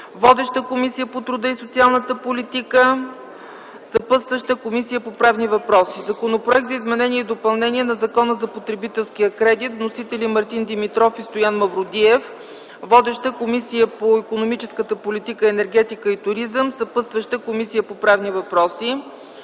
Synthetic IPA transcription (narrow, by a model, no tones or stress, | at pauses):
vɔd̪ɛʃt̪əkomisijəpot̪ɾud̪əisot̪sialˠnət̪əpolit̪ikə | sɐpɤt̪st̪vəʃt̪əkomisijəpopɾavnivɐpɾɔsizɐkonopɾoɛk̚t̪zɐizmɛnɛniɛid̪opɐlˠnɛniɛnɐzɐkɔnəzɐpot̪ɾɛbit̪ɛlˠskijəkɾɛd̪it̪vnosit̪ɛlimɐɾt̪ind̪imit̪ɾɔfist̪ojanmɐvɾod̪iɛf | vɔd̪ɛʃt̪əkomisijəpoikonomit͡ʃɛskət̪əpolʲit̪ikəɛnɛɾɡ̟ɛt̪ikəit̪ʊɾizəmsɐpət̪st̪vəʃt̪əkomisijəpopɾavnivɐpɾɔsi